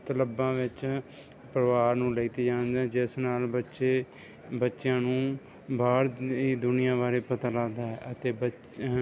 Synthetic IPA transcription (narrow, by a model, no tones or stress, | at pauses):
t̪ələbːãːʋɪt͡ʃ | pɾəʋaːɾnũːləit̪iːd͡ʒaːnd̪ɛːd͡ʒɪsnaːlbətːʃeː | bətːʃjãːnũː | baːɾiːd̪ʊnɪjãːbaːɾeːpət̪aːlaːd̪aːɛːʔət̪eːbə